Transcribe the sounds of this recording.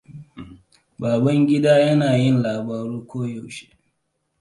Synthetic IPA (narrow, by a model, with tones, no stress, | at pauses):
baː˨bɐ˦ŋɡʲɪ˦daː˦jɐ˦naː˨jɪ˦˨nlaː˨baː˨ɾuː˦kʷoː˦ja˨wʃe̥˦ʔ